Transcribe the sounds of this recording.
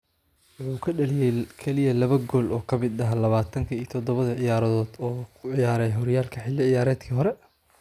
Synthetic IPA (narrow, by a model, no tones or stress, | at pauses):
wʊħuːkʰɐɖɐlɪjɛjkʰɛlɪjɐlɐβɐɡɔːlʔɔːkʰɐmɪd̪ɐɦɐlɐβaːt̪ʰɐŋkʰɐiːt̪ʰɔd̪ɔβɐðɐʕɪjaːɾɐðɔːd̪ɔːkʰʊʕɪjaːɾɛjɦɔɾjaːlkʰɐħɪlːɪʕɪjaːɾɛːd̪kʰiːɦɔɾɛ